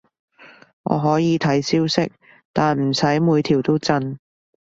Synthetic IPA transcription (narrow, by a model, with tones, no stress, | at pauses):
ŋɔ̰ː˨˧ɦɔː˨˥jiː˨˧t̪ʰɐ˨˥jsiː˥wsɪ˥k̚ | t̪aː˨nm̩˨˩sɐ˨˥jmuː˨˧jt̪ʰiː˨˩wt̪o˥wt͡sɐ˥n